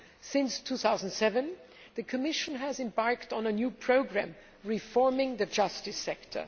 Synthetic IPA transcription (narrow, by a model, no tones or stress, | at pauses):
sɪ̃nstʰuːθaʊzn̩dsɛvə̃n | ðɨkʰɨmɪʃə̃nɨzɨ̃mbɑɹktn̩ənjupʰɹ̥oʊɡɹæ̰̃m | ɹifɔɹmɪ̃ŋðɨd͡ʒʌstɨsɛktʰə̰˞